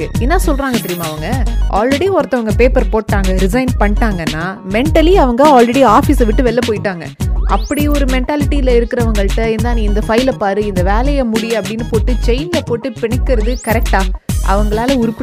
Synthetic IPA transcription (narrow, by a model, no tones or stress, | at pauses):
ɯɪnːaːsɔlɾaːŋɡɐt̪ɪɾɪjɐmaːɐʋɐŋɡɐʔaːlɾɛɽiɔɾɐt̪ːɐʋɐŋɡɐpeːpɐɾpoːʈːaːŋɡɐɾɪsɐɪnpɐɳːɪʈːaːŋɡɐnːaː | mɛɳʈɐliɐʋɐŋɡɐaːlrɛɽiaːfiːsɐʋɪʈːɯʋɛɭːɐpoːjɪʈːaːŋɡɐ̰ʔɐpːɐɽiɔɾɯmɛɳʈaːlɪʈːiɪlɐɪɾɯkːɪɾɐʋɐŋɡɐɭʈːɐɪnd̪aːniɪnd̪ɐfɐɪlɐpaːɾɯɪnd̪ɐʋeːlɐjɐmʊɽɪjɐpːɐɽɪnːɯpoːʈːɯt͡ʃɐɪnlɐpoːʈːɯpɪɳɪkːɪɾɐðɯkɐɾɛk̚ʈaːʔɐ̰ʋɐŋɡɐɭaːlɐʊɾʊpːɯ